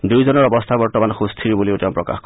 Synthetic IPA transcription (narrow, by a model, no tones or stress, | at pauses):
dujzɔnɔɹɔbɔst̪ʰabɔɹtɔmanxust̪ʰiɹbuliotɛʊ̃mpɹɔka̰xk